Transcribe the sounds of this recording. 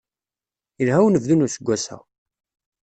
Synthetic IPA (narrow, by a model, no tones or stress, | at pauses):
əlɦæwnəvðunusəɡʷːæsæ̰ʁ